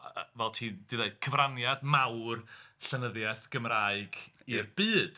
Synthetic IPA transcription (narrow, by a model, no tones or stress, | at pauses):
vɛlˠtʰiːd̥iðeɨd̚kʰəvranjadmawrɬənəðjɛθɡ̥əmraɨɡirb̥ɨːd̥